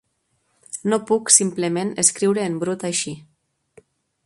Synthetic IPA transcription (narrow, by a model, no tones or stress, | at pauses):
nopuksimplemeneskɾiwɾeːmbɾut̪ajʃi